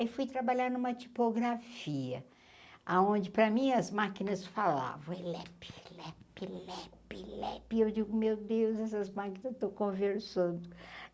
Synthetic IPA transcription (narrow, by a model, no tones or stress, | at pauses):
ifujt̪ɾabaʎaɾnũmɐt͡ʃi̥poɡɾafiɐ | aõd͡ʒɪpɾɐmĩɐzmakinɐsfala̰vɐ̃w̃elɛpɪ̥lɛpilɛplɛpɪewd͡ʒiɡʊmewd̪ewzɛsɐzmakinɐst̪ɐ̃w̃kõveɾsɐ̃nd̪ʊ